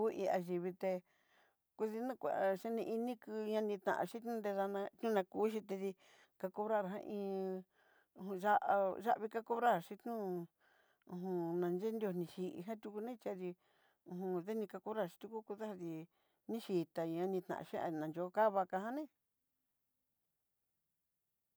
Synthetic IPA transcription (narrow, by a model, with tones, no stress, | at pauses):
u˦ʔi˧a˧ʒi˨βi˧t̪e˧ | ku˧ði˧nũ˦˧kʷa̰˨˧˨ʃe˦nĩ˧i˧nĩ˦kɨ˧ɲã˧nĩ˧t̪ã̰˨ʔa̰˧ʃi˦t̪nũ˦˧nd̪e˧ða˧nã˧t̪nũ˦˧nã˧kuː˨˦ʃ̬i˧t̪̬e˧ði˧ | ka˧ko˧βɾa˦˨ɾɦã̰˦˧ʔĩː˧ | ũ˧ʒa˦ʔʒa˦ʔβi˧ka˦ko˦βɾa˦ɾʃi˧t̪ɲũ˦ | ũ˧ɦũ˧nã˨˧nd͡ʒe˦nd̪jo˧˨nĩ˧ʃi˧ʔḭ˧ɦã˦t̪ʲu˧ku˧nẽ˦t͡ʃa˧ði˧ | ũ˧ɦũ˧ðe˦nĩ˧ka˧ko˧βɾa˦ɾʃi̥˧t̪u˧ku˦ku˧ða˦ha˧ði˧ | nĩ˦ʃi˧t̪a˨˧ɲã˧nĩ˧t̪nã̰˨ʔa̰˧ʃe˦ʔa̰˧nã˨nd͡ʒo˧˦˧ka˦βa˧ka˧hã˦nẽ˦